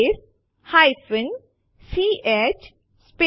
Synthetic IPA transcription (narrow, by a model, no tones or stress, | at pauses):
s | haɪsɪ̃n | siːʔet͡ʃ | spe